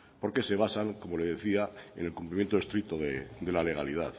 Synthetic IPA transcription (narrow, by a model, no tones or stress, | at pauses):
po̞ɾke̞se̞β̞asaŋko̞mo̞leðe̞θiae̞̰ne̞lkumplimjent̪oest̪ɾik̚t̪oðeðe̞lale̞ɣ̞alið̞að